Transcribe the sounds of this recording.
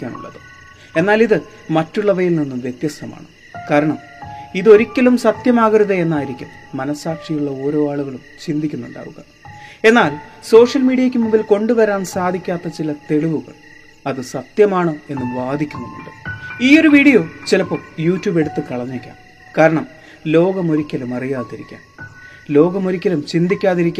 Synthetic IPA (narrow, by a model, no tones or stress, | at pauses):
kʲːaːnṵɭːɐ̰ðɨ | e̞nːaːliðɨ | mɐtːuɭːɐʋɐjilninːumʋje̞t̪jɐst̪ʰɐma̰ːɳɨ | kaːɾɐɳɐm | iðo̞ɾikʲːɐlumsɐt̪jɐmaːɣɐɾuðɐe̞nːaːjiɾikʲːumːɐnɐsːaːkʂijuɭːɐo̞ːɾo̞ːaːɭuɣɐɭumt͡ɕind̪ʱikʲːunːuɳɖa̰ːʋṵɣɐ̰ | e̞nːaːlso̞ːʂjɐlmiːɽijɐkʲːumumbilko̞ɳɖuʋɐɾaːnsaːd̪ʱikʲːaːt̪ːɐt͡ɕilɐt̪e̞ɻuʋuɣɐ̰ɭ | ɐðɨsɐt̪jɐmaːɳoːe̞nːumʋaːd̪ʱikʲːunːunṵɳɖɨiːo̞ɾuʋiːɽijo̞ːt͡ɕilɐpːo̞ːjuːtːjuːbe̞ɽut̪ːɨkɐɭɐɲːekʲːa̰ːm | kaːɾɐɳɐm | lo̞ːɡɐmo̞ɾikʲːɐlumɐrijaːt̪iɾḭkʲːa̰ːm | lo̞ːɡɐmo̞ɾikʲːɐlumt͡ɕind̪ikʲːaːðiɾikʲːa